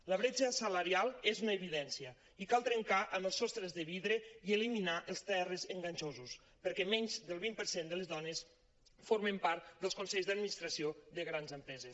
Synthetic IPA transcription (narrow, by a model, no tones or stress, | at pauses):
ləβɾed͡ʒəsələɾialˠezunəːβiðɛnsiə | ikalˠt̪ɾəŋkaʔəməlˠsɔst̪ɾəzðəβiðɾəiəliminaʔəlˠst̪ɛrəzəŋɡaɲʲt͡ʃozus | pəɾkɛmɛɲzd̪əlˠβimpəɾsend̪əlezðɔnes | foɾmempaɾt̪d̪əlskonsɛʎzðəad̪minist̪ɾasioðəɣɾanzəmpɾɛzes